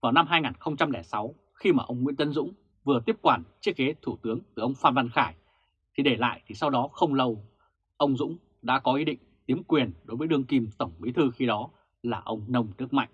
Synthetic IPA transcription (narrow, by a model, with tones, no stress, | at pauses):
vaː˨˩wna˧mɦaː˧jŋaː˨˩nxə˧wŋ͡mt͡ɕa˧mlɛ˧˩sa˨˦w | xi˧maː˨˩ʔə˧wŋ͡mŋwḭ˧˥ənt̪ə˨˧˦nzʊ̰˧˥ŋ͡m | vɨ˨˩ət̪i˦˥əp̚kwaː˧˩nt͡ɕi˦˥ək̚ke˨˦t̪ʰu˧˩t̪ɨ˨˦əŋt̪ɨ˨˩ʔə˧wŋ͡mfaː˧nva˧nxaː˧˩j | t̪ʰi˨˩ɗe˧˩la̰ː˧˨jt̪ʰi˨˩sa˧wɗɔ˨˦xə˧wŋ͡mlə˧w | ʔə˧wŋ͡mzʊ̰˧˥ŋ͡m | ɗa̰ː˧˥kɔ˨˦ʔi˨˦ɗḭ̈˧˨ŋ̟t̪i˨˦əmkwi˨˩ənɗo˨˦jvəː˨˦jɗɨ˧əŋki˧mt̪ə˧˩wŋ͡mmḭ˨˦t̪ʰɨ˧xi˧ɗɔ˨˦ | laː˨˩ʔə˧wŋ͡mnə˧wŋ͡mnɨ˦˥ək̚ma̰˧˨jŋ̟